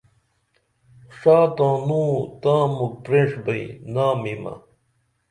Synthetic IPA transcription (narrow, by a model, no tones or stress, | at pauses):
ʂaːt̪ãːnũːt̪ãːmuk̚pɾẽʂbɐinaːmimɐ̰